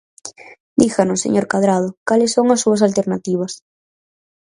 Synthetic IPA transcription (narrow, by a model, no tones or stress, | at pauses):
d̪ixanʊsḛɲoɾkaðɾað̞ʊkalesːoŋɐsːuɐsalt̪eɾnat̪iβ̞ɐs